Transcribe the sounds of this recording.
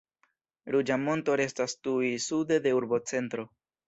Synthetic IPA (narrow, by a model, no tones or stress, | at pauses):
ɾud͡ʒamo̞nto̞ɾe̞stastuisude̞de̞uɾbo̞t͡se̞ntɾo̞